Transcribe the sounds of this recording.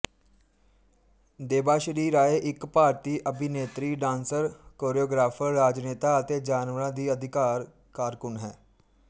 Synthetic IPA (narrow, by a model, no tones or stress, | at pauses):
d̪eːbaːʃəɾiːɾaːeːʔɪkpaːɾt̪iːʔəbʱɪneːt̪ɾiːɖãːnsəɾkoːɾioːɡɾaːpʰəɾːaːd͡ʒneːt̪aːət̪eːd͡ʒaːnʋəɾãːd̪iːəd̪ʱɪkaːɾ | kaːɾkʊnɦɛː